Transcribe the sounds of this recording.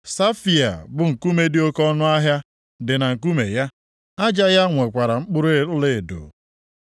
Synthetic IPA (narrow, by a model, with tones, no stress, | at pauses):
sa˦fi˨a̰˨bʊ˨ŋ̩˨ku˦me˦dɪ˦o˦kɔ˦nʊ˦a˦ɦja˦ | dɪ˨na˨ŋ̩˨k̬u˦me˨ja˦ | a˦d͡ʒa˦ja˦ŋʷe˨kʷa˨ɾa˨ŋ͡m̩˦k͡pʊ˦ɾe˦˨˦le˦˨do̰˨